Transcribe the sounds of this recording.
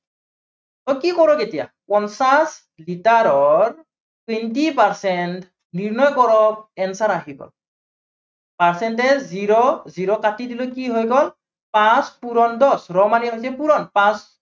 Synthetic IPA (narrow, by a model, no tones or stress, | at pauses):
tɔkikɔɹɔketija̰pɔnsas | litaɹɔɹ | tintipaɹsɛnt | niɹnɔjkɔɹɔp̚ɛnsaɹaɦiɡɔ̰l | paɹsɛntɛziɹɔziɹɔkatidilokiɦojɡɔl | pãspuɹɔndɔsɹɔmaniɦojsɛpuɹɔnpãs